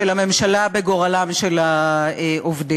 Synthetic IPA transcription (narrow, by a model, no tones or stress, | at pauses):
elame̞mʃalabeɡo̞ʁalamʃelaeʔovde